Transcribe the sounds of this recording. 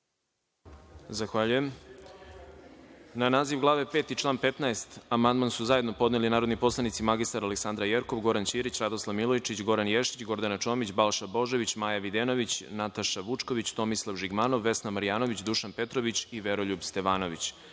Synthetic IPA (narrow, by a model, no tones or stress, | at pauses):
zaxʋaʎuje̞m | nanaːziʋɡlˠaːʋe̞pe̞ːt̪it͡ʃlˠaːnpe̞t̪naest̪amand̪mansuzajed̪no̞po̞d̪nelinaːɾo̞d̪nipo̞slˠanit̪simaɡist̪aɾaleksand̪ɾajeɾko̞ʋɡo̞ɾant͡ɕiːɾit͡ɕɾad̪oslˠaʋmilˠojt͡ʃit͡ɕɡo̞ɾanjeʃit͡ɕɡo̞ɾd̪anat͡ʃo̞mit͡ɕbalˠʃabo̞ʒe̞ʋit͡ɕmaːjaʋid̪eno̞ʋit͡ɕnat̪aʃaʋut͡ʂko̞ʋit͡ɕt̪o̞mislˠaʋʒiɡmaːno̞ʋːe̞snamaɾijaːno̞ʋit͡ɕd̪uʃanpe̞t̪ɾo̞ʋit͡ɕiʋeɾo̞ʎubst̪e̞ʋaːno̞ʋit͡ɕ